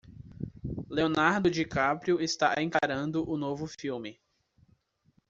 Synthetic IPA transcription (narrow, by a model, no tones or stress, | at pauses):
leonaɾd̪ʊd͡ʒɪkapɾiʊɪst̪a̰ḛ̃kaɾɐ̃nd̪ʊʔʊnovʊfiwmɪ